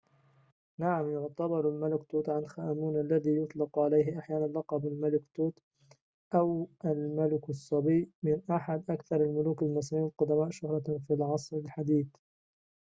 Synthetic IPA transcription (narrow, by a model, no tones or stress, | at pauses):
naʕamjʊʕt̪abɪɾalmalɪkt̪uːt̪ʕanlxaʔmuːnʔalːaðiːjʊt̪ˤlɪqʕalajɦɪʔaħjaːnanlɑqɑbalmalɪkt̪uːt̪ | ʔawʔalmalɪkɑsˤːɑbijmɪnʔaħad̪ʔakθɑɾˤalmʊluːkalmasmiːwalqʊd̪amaːʔʃʊhɾˤɑfilʕɑsˤɾɪlħad̪iːθ